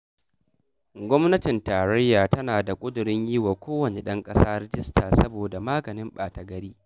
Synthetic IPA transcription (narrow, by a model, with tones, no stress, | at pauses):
ɡʷɔ˦mnɐ˦tɪ˨ntaː˨ɾɐ˦jːaː˨tɐ˦naː˨da˨kʷʼʊ˦dʊ˨ɾɪ˦ɲjiː˦wa˨kʷoː˦wɐ˨neː˨ɗɐ˦ŋkʼɐ˦saː˦ɾɛ˦d͡ʒɪ˦stʰaː˨sɐ˦boː˨da˨maː˦ɡɐ˨nɪ˦mɓaː˨tɐ˨ɡɐ˦ɽiː˦